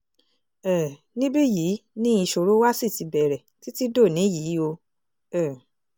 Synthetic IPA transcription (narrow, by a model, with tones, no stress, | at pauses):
ɛ˨ | nĩ˦bi˦jiː˨˦nĩ˦i˧ʃo˧ɾo˦wa˦si˦˨ti˨˧bɛ˨ɾɛ˨ti˦ti˦do˦˨nĩ˨˦jiː˨˦o˧ | ɛ˨